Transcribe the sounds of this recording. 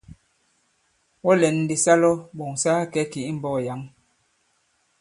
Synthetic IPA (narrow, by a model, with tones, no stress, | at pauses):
wɔ˦lɛ˨nː˨di˨sa˦lɔ˦ɓo˨ŋsaː˦kɛ˨˦ki˨i˦m̩˨bɔ˦˨ja˨˦ŋ